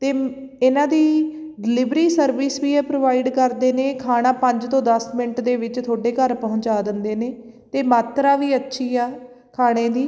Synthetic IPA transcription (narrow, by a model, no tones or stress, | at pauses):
t̪eː | ɪnãːd̪iː | ɖɪlɪbɾiːsəɾʋɪsʋiːɛːpɾoːʋaːiːɖkəɾd̪eːneːkʰaːɽ̃aːpəɲd͡ʒt̪õːd̪əsmɪnəʈd̪eːʋɪt͡ʃt̪ʰoːɖeːkəɾpəɦʊ̃ɲt͡ʃaːd̪ɪnd̪eːneːt̪eːmaːt̪ɾaːʋiːətːʃʰiːaː | kʰaːɽ̃eːd̪iː